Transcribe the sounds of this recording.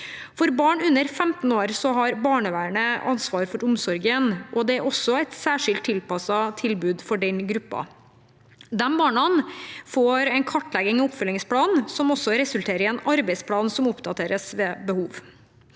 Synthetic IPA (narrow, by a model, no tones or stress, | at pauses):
fɔɾbɑːɳʉnːəɾfɛmt̪n̩oːɾsɔɦɑɾbɑːɳəʋæːɾɳəʔɑnsʋɑːɾfɔɾʊmsɔɾɡənʔɔd̪ɛæɾɔsːɔɛɪt̪sæːʂɪlt̪ʰːɪlpɑsɑt̪ʰɪlbʉːd̪fɔɖɛnɡɾʉpːɑ̰ | d̪ɛmbɑːɳɑnfoːɾɛɪnkʰɑʈːlɛɡɪŋɑʊpfœlɪŋspʰlɑːnsɔmɔsːɔɾɛsʉlt̪ʰeːɾəɛnɑɾbɛɪspʰlɑːnsɔmʊpd̪ɑt̪ʰeːɾəsʋɛːbəhuːʋ